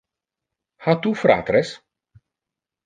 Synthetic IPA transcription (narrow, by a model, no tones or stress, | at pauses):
hat̪ufɾa̰ːt̪ɾes